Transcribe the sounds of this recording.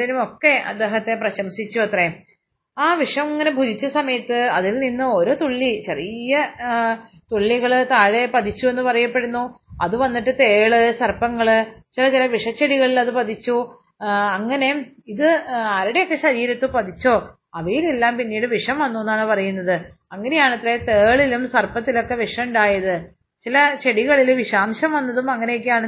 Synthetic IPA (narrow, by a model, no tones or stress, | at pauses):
ðɐnumo̞kːe̞ɐ̰d̪ːe̞ːɦɐt̪ːe̞prɐɕɐmsit͡ɕːuɐt̪re | aːʋiʂɐmiŋːɐne̞bʱudit͡ɕːɐsɐmɐjɐt̪ːɨɐðilninːɨo̞ɾoːt̪oɭːit͡ɕerijɐ | t̪oɭːiɣɐɭt̪aːɻe̞pɐd̪it͡ɕːue̞nːɨpɐrɐjɐpːe̞ɽunːuɐðuʋɐnːiʈːɨt̪e̞ːɭɨsɐrpɐŋːɐɭɨt͡ɕilɐt͡ɕilɐʋiʂɐt͡ɕːɐɽiɣɐɭilɐðɨpɐd̪it͡ɕːu | ɐŋːɐne̞ | iðɨaːɾiɽe̞jokːe̞ɕɐɾiːɾɐt̪ːupɐt̪it͡ɕːo̞ː | ɐʋejile̞lːaːmpinːiːɽɨʋiʂɐmʋɐnːonːaːɳɨpɐrɐjunːɐðɨ | ɐŋːɐne̞jaːɳɐt̪ret̪eːɭilumsɐrpɐt̪ːilokːe̞ʋiʂɐmuɳɖaːjɐðɨ | t͡ɕilɐt͡ɕe̞ɽiɣɐɭilʋiʂaːmɕɐmʋɐnːɐðumɐŋːɐne̞jok̬ːjaːɳɨ